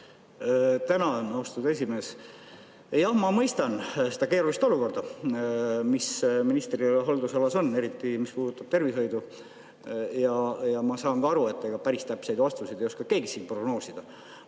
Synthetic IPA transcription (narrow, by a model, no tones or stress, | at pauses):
t̪ænɑnost̪ud̪e̞s̬ʲimeːs | jɑhmɑmɤjst̪ɑnse̞d̪̥ɑke̞ːɾulist̪o̞luko̞rd̪̥ɑ | misminist̪rioleɦold̪usɑlɑso̞nːe̞ɾit̪ːˑimispuːd̪̥ut̪ːˑɑb̥̚t̪e̞rviso̞jd̪u | jɑjɑmɑsɑːŋkɑɑɾue̞t̪ːeɡɑpæɾist̪æpse̞jd̪ɑst̪usid̪ejo̞skɑkeːɡisiːnpro̞ɡno̞ːsid̪̥ɑ